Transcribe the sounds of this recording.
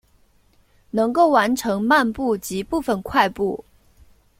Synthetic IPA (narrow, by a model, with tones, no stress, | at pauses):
nɤ˧˥ŋko˥˩ʊwa˧˥nʈ͡ʂʰɤ˧˥ŋma˥˧npu˥˩t͡ɕi˧˥pu˥˩fə˨˩nkʰwa˥˧ɪpu˥˩